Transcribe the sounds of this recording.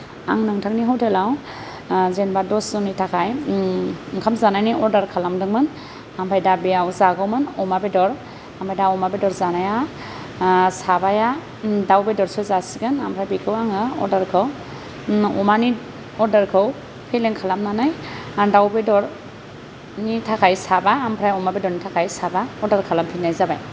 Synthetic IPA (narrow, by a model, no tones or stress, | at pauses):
a̰ŋnɯŋtʰak̚niɦɔwtʰɛlaw | zɛnbadɔszɔnitʰakʰaj | ŋkʰamzanajniɔɾdaɾkʰalamdɯŋmɯn | ampʰajdabɛawzaɡɔwmɯnɔmabɛdɔɾ | ambʰajdaɔmabɛdɔɹzanaja | sabaja | dawbɛdɔɹsɔzasiɡɯnampʰɾajbikʰɯwaŋɯɔ̰ɾdaɾkʰɯw | ɔmani | ɔɹdaɾkʰɯw | pʰɛlɛŋkʰalamnanajdawbɛdɔɾ | nitʰakʰajsabaːmpʰɾajɔmabɛdɔɹnitʰakʰajsabaɔdaɾkʰalampʰinajzaba̰j